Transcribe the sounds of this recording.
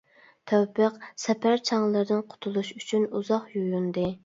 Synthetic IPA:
t̪ʰæwpəqsɛpʰæɾt͡ʃʰɑŋlˠɨɾd̪ɨnqʰʊ̥t̪ʰulˠuʃyt͡ʃʰynuzɑχjujund̪ɨ

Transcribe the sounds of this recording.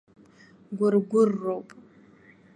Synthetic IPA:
ɡʷʊrɡʷʊrːowpʼ

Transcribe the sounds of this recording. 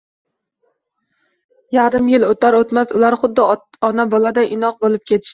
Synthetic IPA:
jaɾɪmjɪlot̪ʰaɾot̪masʊlaɾχʊd̪ːɪɒnabɒlad̪aʔɪnɒq̚bolɪp̚kʲe̞t̪ʰɪ̥ʃt̪ɪ

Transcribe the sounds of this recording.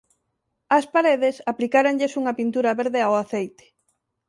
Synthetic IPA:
ɐspaɾeðesaplikaɾaŋʎesuŋɐpint̪uɾɐβeɾðeawaθejt̪e̥

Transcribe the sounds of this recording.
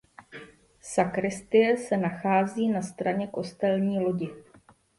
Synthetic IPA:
sakɾɪst̪ɪjɛsɛnaxaːziːnast̪ɾaɲɛko̞st̪ɛlɲiːlo̞ɟɪ

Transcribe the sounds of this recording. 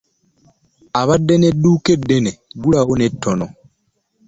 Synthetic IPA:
aβadːeneduːkedːeneɡulawonetʰːono

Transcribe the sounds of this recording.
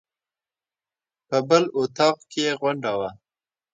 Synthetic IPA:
pəbəlʊt̪ɑqkeeɣwaɳɖawa

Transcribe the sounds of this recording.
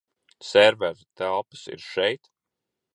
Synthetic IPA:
sɛɾvæɾt̪ælˠpɨ̥sḭɾʃɛjt̪

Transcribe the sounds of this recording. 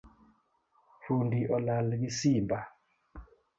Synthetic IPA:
fundiʔɔlalɡisimba

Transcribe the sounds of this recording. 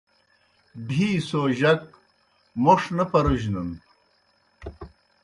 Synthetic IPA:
bʱiːsoːʑɐk̚ | moʂnɐpɐɾuʑnɐn

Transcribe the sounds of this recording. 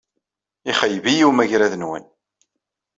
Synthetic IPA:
iχəjvijiwmæʝɾæðənwæ̰n

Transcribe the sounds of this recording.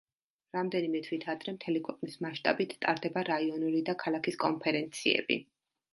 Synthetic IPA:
ɾamd̪ɛnimɛt̪ʰwit̪ʰad̪ɾɛmt̪ʰɛlikʰwɛqʼnismaʃt̪ʼa̰bit̪ʰt̪ʼaɾd̪ɛbaɾaiɔnulid̪akʰalˠakʰiskʼɔnpʰɛɾɛnt̪sʰiɛ̰bḭ

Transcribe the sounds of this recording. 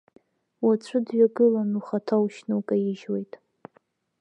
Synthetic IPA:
wat͡ɕʷʰɨdɥaɡɨlanuχatʰawʃnɨwkʼajɪʒwejtʼ

